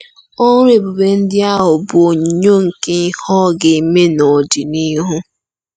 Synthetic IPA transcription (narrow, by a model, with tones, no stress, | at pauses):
o˦ŋʊ˦ɾe˨bʊ˨be˨n̩˦dɪ˦a˦ɦʊ˨bʊ˨o˨ɲ˨ɲo˦ŋ̩˨ke˦hɔ˦ɡɪ˨me˦no˨dɪ˨ni˦ɦʊ˦